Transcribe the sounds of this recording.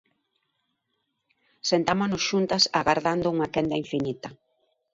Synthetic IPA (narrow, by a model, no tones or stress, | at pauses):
sent̪amonʊsʃunt̪ɐsa̰ɣaɾðand̪ʊuŋakɛnd̪aiɱfinit̪ɐ